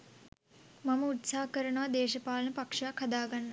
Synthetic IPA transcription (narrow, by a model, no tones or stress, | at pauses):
mɐmɐut̪saːɦɐkəɾɐɳuʋɐd̪eːʃɐpaːlɐnɐpɐkʂakʰːɐd̪aːɡanːɐ